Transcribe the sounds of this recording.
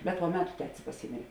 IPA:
bʲɛt poː ˈmʲæːtʊ ˈtʲæːtʲɪs pɐˈsʲiːmʲeːrʲeː

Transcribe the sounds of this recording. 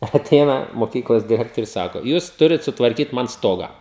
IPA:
ɐˈtʲɛɪnɐ moːˈkʲiːklˠoːs dʲɪˈrʲæːktoːrʲʊs ˈsɑːkoː ˈjuːs ˈtʊrʲɪt sʊtʋɐrʲˈkʲiːt ˈmɐn ˈstoːɡɐ

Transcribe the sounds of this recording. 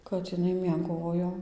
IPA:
kɐt ɪˈnɐɪ mʲiɛˈɡoːjoː

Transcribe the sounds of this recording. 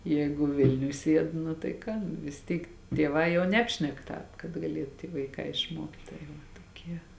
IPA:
ˈjɛːɡʊ ˈʋʲɪlʲnʲʊj ˈsʲiɛt nʊ tɐɪ ˈkɑː nʊ ʋʲɪs ˈtʲiːk tʲiɛˈʋɑː jɛʊ ˈnʲæːpʲʃʲnʲɛk ˈtɑːp kɐt ɡɐˈlʲiɛt tʲiː ʋɐɪˈkɑː ɪʃˈmuɔktʲ tɐɪ ˈʋɐ toːˈkʲiɛ

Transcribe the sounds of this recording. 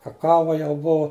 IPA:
kɐˈkɑːʋɐ jɛʊ ˈbʊʋoː

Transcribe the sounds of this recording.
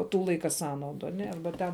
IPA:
ˈtuː ˈlˠɐɪkɐ ˈsɑːnɐʊdʊ ɐˈnʲɛ ˈɐrbɐ tʲɛn

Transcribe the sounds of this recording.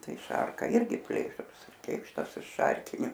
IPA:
ˈtɐɪ ˈʃɐrkɐ ˈɪrʲɡʲɪ ˈpʲlʲeːʃrʊs ˈkʲeːkʃtɐs ɪʃ ˈʃɐrʲkʲɪnʲʊ

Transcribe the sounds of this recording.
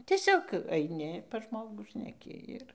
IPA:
ˈtʲiɛsʲoːk ɐɪˈnʲɪ pɐs ˈʒmoːɡuː ʃʲnʲɛˈkʲɪ ɪr

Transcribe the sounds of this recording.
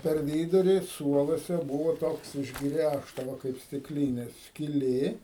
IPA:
pʲɛr ˈʋʲiːdʊrʲɪ ˈsuɔlˠuɔsʲɛ ˈbuːʋoː ˈtoːks ɪʒˈɡrʲæʃtɐ ˈʋɐ kɐɪp sʲtʲɪkˈlʲiːnʲeː sʲkʲɪˈlʲeː

